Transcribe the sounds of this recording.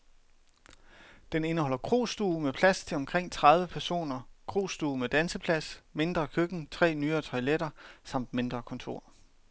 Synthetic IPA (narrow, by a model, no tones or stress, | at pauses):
d̥ene̝nəhɒ̽l̰ɐkʰʁo̝̰ːsd̥uːmepʰlæst͡sʰe̝lɒ̽mkʰʁeŋ̰t͡sʰʁäð̞ˠʋəpʰæɐso̝̰ːnɐkʰʁo̝̰ːsd̥uːmed̥ænsəpʰlæsme̝nd̥ʁɐkʰøɡ̥n̩t͡sʰʁɛ̰ːnyːɐːt͡sʰɒ̽ɪleɾɐsɑ̈m̰d̥me̝nd̥ʁɐkʰɒ̽nt͡sʰo̝ɐ̰